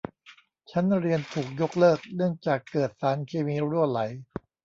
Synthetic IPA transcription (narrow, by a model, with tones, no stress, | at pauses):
t͡ɕʰa˦˥nɾi˧ənt̪ʰuː˨˩k̚jo˦˥k̚lɤː˥˩k̚nɯ˥˩əŋt͡ɕaː˨˩kːɤː˨˩t̪̚saː˩˦nkʰeː˧miː˧ɾu˥˩əla˩˦j